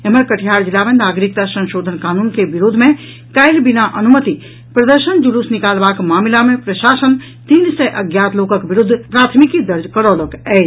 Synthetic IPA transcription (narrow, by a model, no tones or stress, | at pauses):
eməɾkəʈʰjaːɾd͡ʒilːamẽnaːɡɾik̚t̪asə̃nʃoːd̪ʱənkaːnuːnkebiɾud̪ʱmẽ | kəɪlbinaʔɐnumət̪i | pɾəd̪əɾʃənd͡ʒulusnikaːlbaːkmaːmlamẽpɾəʃaːsən | t̪iːnsɛʔɐɡjaːt̪ʰloːkəkbiɾʊd̪ʱːpɾaːt̪ʰmikid̪əɾd͡ʒkəɾɔːləkɛː